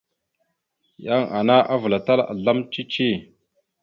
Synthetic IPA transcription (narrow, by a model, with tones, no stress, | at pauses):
ja˦ŋa˨na˦ʔa˦və˨la˨ta˦la̰˨ɮa˦mt͡ʃi˦t͡ʃi˦˨